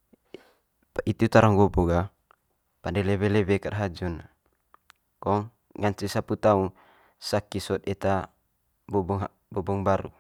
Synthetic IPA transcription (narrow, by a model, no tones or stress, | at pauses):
it̪it̪aɾaŋɡɔbɔɡa | pandɛlɛβelɛbekaʔaɦad͡ʒɔna | kɔŋ | ŋant͡ʃisaput̪auŋ | sakisɔt̪̚ɛt̪a | bɔbɔŋ | bɔbɔŋbaɾu